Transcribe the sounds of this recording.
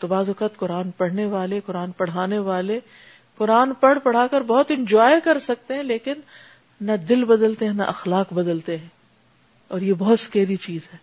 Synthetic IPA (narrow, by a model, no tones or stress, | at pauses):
t̪obaːzʊkaːt̪kʊɾaːnpɐɽ̤neʋaːlekʊɾaːnpɐɽ̤aːneʋaːle | kʊɾaːnpɐɽ̤pɐɽ̤aːkɐɾbɔɦʊt̪ɪ̃nd͡ʒaːekɐɾsɐk̚t̪eɦɛ̃leːkɪnː | ɐd̪ɪlbɐd̪əlt̪eɦɛ̃nɐ̰ʔɐxlaːqbɐd̪əlt̪eɦɛ̃ː | ɔːɾjebɔɦʊt̪skeːɾit͡ʃiːzɦɛː